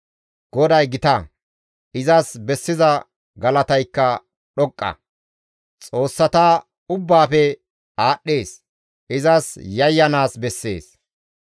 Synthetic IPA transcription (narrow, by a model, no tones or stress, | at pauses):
ɡ̥ɔd̪ɐjɡɪt̪ɐ | ʔɪzɐsbɛsːɪzɐ | ɡɐlɐt̪ɐjkːɐ | ɗɔkʼːɐ̰ | t͡sʼo̞ːsːɐt̪aː | ʊbːaːfɛ | aːɗːe̞ːs | ɪzɐsjɐjːɐnaːsbɛsːḛːs